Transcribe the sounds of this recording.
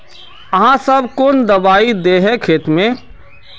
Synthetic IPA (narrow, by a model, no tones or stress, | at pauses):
ɐɦãsɐbkoːnd̪ɐbaːid̪eɦɛkʰeːt̪mẽ